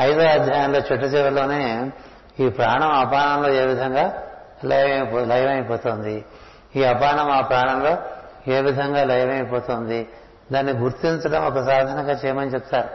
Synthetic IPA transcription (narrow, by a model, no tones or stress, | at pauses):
ɐjd̪oːɐd̪ʱjaːjɐmlo̞ːt͡ʃɛʈːɐt͡ʃɛʋɐlo̞ːne̞ː | iːpɾaːɳɐmɐpaːɳɐmlo̞ːe̞ːʋid̪ʱɐŋɡaː | lɐjʋɐpːlɐjʋɐjpɔːt̪oːnd̪i | iːɐpaːɳɐmaːpɾaːɳɐmlo̞ː | e̞ːʋid̪ʱɐŋɡaːlɐjʋɐjpɔːt̪oːnd̪i | d̪aːnːiɡuɾt̪iɲt͡ʃɐʈɐmɔkɐsaːd̪ʱɐnɐɡaːt͡ʃɛːjɐmɐnit͡ʃɛp̚t̪aːɾu